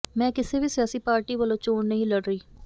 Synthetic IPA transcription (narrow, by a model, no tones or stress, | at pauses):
mɛ̃ːkɪseːʋiːsɪjaːsiːpaːɾʈiːʋəlõːt͡ʃoːɳnəɦĩːləɽɾəiː